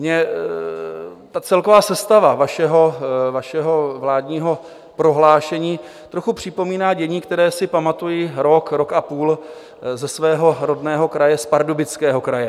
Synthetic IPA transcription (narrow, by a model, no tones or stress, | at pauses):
mɲɛ | t̪at͡sɛlko̞vaːsɛst̪avavaʃɛɦo̞vaʃɛɦo̞vlaːdɲiːɦo̞ | pɾo̞ɦlaːʃɛɲiː | t̪ɾo̞xupr̝̥ɪpo̞miːnaːɟɛɲiːkt̪ɛɾɛːsɪpamat̪ujɪɾo̞kɾo̞kʔapuːl | zɛsvɛːɦo̞ɾo̞dnɛːɦo̞kɾajɛspaɾdobɪt͡skɛːɦo̞kɾajɛ